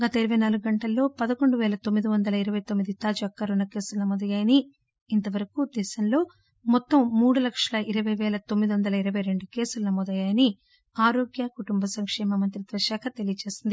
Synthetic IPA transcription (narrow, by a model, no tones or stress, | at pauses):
ɡɐt̪ɐiɾɐʋɐjnaːluɡuɡɐɳʈɐlːo̞ːpɐd̪ɐko̞ɳɖuʋɛːlɐt̪omːid̪iʋɐnd̪ɐlɐiɾɐʋɐjt̪omːid̪it̪aːd͡ʒuɐkːɐɾunɐke̞ːsulɐnɐmɔːd̪ɐjaːjɐniː | nt̪ɐʋɐɾɐkud̪ɛːʃɐmlo̞ː | mɔt̪ːɐmːuːɽulɐkʂɐlɐʔiɾɐʋɐjʋɛːlɐt̪omːid̪iʋɐnd̪ɐlɐiɾɐʋɐjɾe̞ɳɖuke̞ːsulɐnɐmɔːd̪ɐjaːjɐni | aːɾo̞ːɡjɐkuʈumbɐsɐŋkʂɛːmɐmɐnt̪ɾid̪ʋɐʃaːkʰɐt̪e̞lijɐt͡ʃe̞ːsind̪i